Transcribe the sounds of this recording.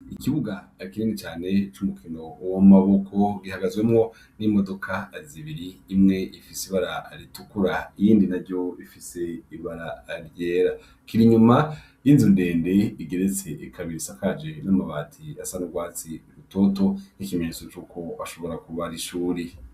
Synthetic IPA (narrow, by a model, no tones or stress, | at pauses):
ikiβuɡaːkiɾiːnit͡ʃaːne̞t͡ʃumukʰino̞womaβo̞kʰo̞ɡihaɡazwe̞mŋo̞ | nimo̞do̞kʰaːziβiɾiːmŋe̞ifisiβaɾaaɾitukuɾaijiːndinaɾjo̞ifise̞iβaɾaːɾje̞ːɾa | kiɾiɲuma | jinzinde̞ːnde̞iɡe̞ɾet͡se̞ʔikʰaβiɾisakad͡ʒe̞namaβaːtʰiasanuɡwaːt͡siuɾuto̞ːto̞nikimeɲet͡so̞t͡ʃuːko̞aʃo̞βo̞ɾakuβaɾiʃuːɾi